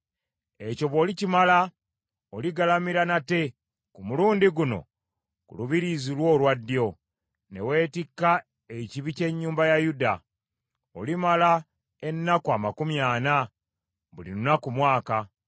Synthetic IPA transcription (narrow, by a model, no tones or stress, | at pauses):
e̞co̞βo̞ːlicimala | oliɡalamiɾanate̞ | kumuluːndiɡuno̞̰ | kṵluβiɾizilwo̞ːlwadːjo̞ | ne̞̰we̞ːtikːa | eciβice̞ɲːuːmbajajuda | o̰limala | e̞nːakuamakumjaːna | βulḭɾunakumwaːka